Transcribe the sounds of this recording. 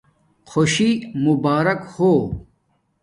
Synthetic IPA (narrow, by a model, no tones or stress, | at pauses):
xʰoɕimubaːɾɐkhoː